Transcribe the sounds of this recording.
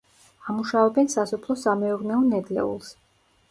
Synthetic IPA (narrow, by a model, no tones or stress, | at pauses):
amuʃavɛbɛnsasɔpʰlˠɔsamɛuɾnɛɔnɛd̪lɛ̰ṵlˠs